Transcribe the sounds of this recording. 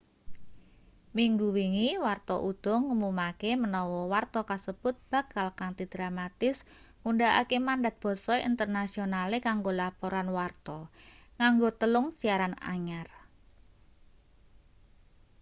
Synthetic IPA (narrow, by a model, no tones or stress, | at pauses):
miŋɡuwiŋiwart̪ɔʔud̪̥ɔ̤ŋːəmumakemənɔwɔwart̪ɔkasəb̥ʊt̪̚b̥a̤kalkaŋt̪id̪̥ɾamat̪ɪs | ŋuɳɖaʔa̰kemanda̤t̪̚b̥ɔ̤sɔḭnt̪ərnasionalekaŋɡolapoɾanwart̪ɔŋaŋɡot̪əlʊŋsiaɾana̰ɲar